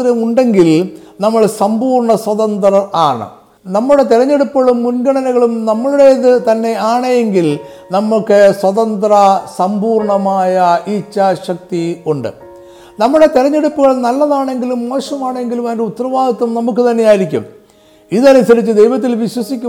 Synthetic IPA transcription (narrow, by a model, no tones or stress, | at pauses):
ɾɐmuɳɖe̞ŋɡilnɐmːɐɭsɐmbuːrɳɐswɐt̪ɐnd̪rɐaːɳɨ̰ | nɐmːuɽe̞t̪iɾɐɲːe̞ɽupːɐɭumːunɡɐɳɐnɐɣɐɭumnɐmːɐɭuɽe̞iðɨt̪ɐnːe̞aːɳɐjeŋɡil | nɐmːukːɨswɐt̪ɐnd̪rɐsɐmbuːrɳɐmaːjɐiːt͡ɕːɐɕɐk̚t̪iuɳɖɨ̰ | nɐmːuɽe̞t̪iɾɐɲːe̞ɽupːuɣɐɭnɐlːɐðaːɳe̞ŋɡilumːo̞ːɕɐmaːɳeŋɡilumɐndeut̪ːɐrɐʋaːd̪ɐt̪ːɐmnɐmuk̬ːɨt̪ɐnːe̞jaːjiɾikʲːṵm | iðɐnusɐɾit͡ɕːɨd̪e̞jʋɐt̪̬ːilʋiɕwɐsikʲːu